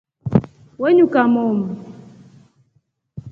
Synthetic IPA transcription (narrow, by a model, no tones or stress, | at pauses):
weɲukʼamɔːmba